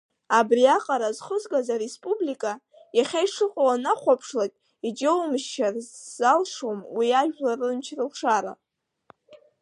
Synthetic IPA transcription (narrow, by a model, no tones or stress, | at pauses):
abriaqʼaɾazχəzɡʼazaɾespʼublikʼa | jaχʲajʂɨqʼwanaχʷapʰʂlakʲʼ | id͡ʒewmʃt͡ʃarzalʂomwiaʒᶣlarɨmt͡ʃʰrɨlʂaɾa̰